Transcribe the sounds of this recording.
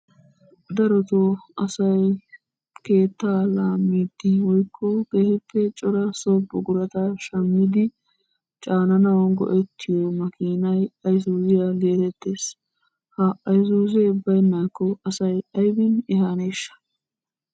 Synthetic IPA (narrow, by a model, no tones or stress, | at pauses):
d̪ɐɾɔt̪oɐsɐj | ke̞ːt̪ːaːlaːmːiːd̪ɪwɔjkʰːɔɡ̥ehɪpːɛt͡ʃʼɔɾɐsɔbɔɡʊɾɐt̪aʃɐmːiːd̪ɪ | t͡ʃʼaːnɐnɐwɐnɡɔ̰ʔɛt̪ʰːɪjɔmɐkiːnɐjɐjzuːzɪjaleːt̪ɛt̪ːeːs | hɐɐjzuːzɛʊbːɐjnɐkːɔɐsɐjɐjbɪnɪhaːneʃːɐ̥